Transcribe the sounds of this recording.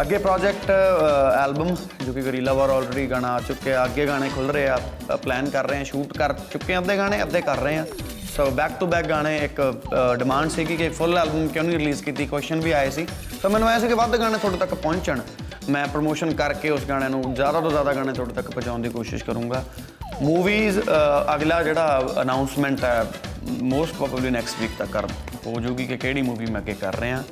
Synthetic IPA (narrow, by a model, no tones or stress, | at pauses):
əɡːeːpɾɔːd͡ʒɛk̚ʈɛːlbəm | d͡ʒoːkikəɾiːlaːʋəːɾɔːlɾeːɖiːɡaːɽaːt͡ʃʊkːeəɡeːɡaːɽ̃ẽːkʰʊlɾeːaːplɛːnkəɾːəeːãːʃuːʈkəɾt͡ʃʊkːẽəd̪eːɡaːɽ̃ẽːəd̪eːkəɾːəɦẽːãː | soːbɛːkt̪uːbɛːk̚ɡaːɽ̃ẽːɪkɖɪmãːɳɖsiːɡikɪpʰʊlɛːlbəmkɛ̃ːnũːiːɾɪliːzkiːt̪iːkwɛːsʃənʋiːaːeːsiː | soːmɛ̃ːnũaːaːs̬iːkɪʋəd̪ɡaːɽ̃eːt̪ʰoːɽeːt̪əkpɔ̃ːɲt͡ʃəɳ | mɛ̃ːpɾomoːʃənkəɾkeːʊsɡaːɽ̃ẽːnũːzjaːd̪aːt̪oːzjaːd̪aːɡaːɽ̃ẽːt̪ʰoːɽeːt̪əkːpbət͡ʃãːʊ̃nd̪iːkoːʃɪ̰ʃkəɾũːɡaː | muːʋiːzəɡlaːd͡ʒeːɽaːə̰naːʊnsmɛ̃ːɳʈɛːmoːsʈ̚pɾɔːbəbliːnɛːksʈʋiːkt̪əkːə̰ɾ | poːd͡ʒuːɡiːkɪkeːɽiːmuːʋiːmɛ̃ːɡeːkə̰ɾːəeːãː